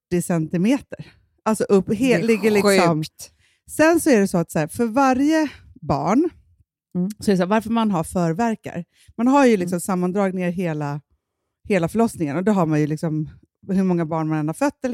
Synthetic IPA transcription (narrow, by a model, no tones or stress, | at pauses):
ɪsɛnt̪ɪmeːt̪əɾ | ʔalt̪sɔʔɵpːɦeːlɪɡːəlɪsɔm | sɛnsɔæɖɛsɔat̪sæːɾfœɾvaɾjəbɑ̰ːɳ | sɔɛɾɛs̬ɔvaɾfəɾmanɦaɾfœːɾvæɾka̰ɾ | manɦaɾjɵlɪks̬ɔmsamːand̪ɾɑːɡneːɾɦeːla | heːlafœɭɔsnɪŋə̰nɔd̪ɛɦaɾmanjɵlɪksɔm | ɦɵmɔŋːabɑːɳmanɛnːhaɾfœt̪ːɛl